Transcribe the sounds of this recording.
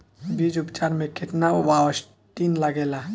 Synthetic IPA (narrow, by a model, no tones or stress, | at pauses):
bid͡ʒʊpt͡ʃaːɾmẽkʰɪʈnaʋawəs | ʈinləɡela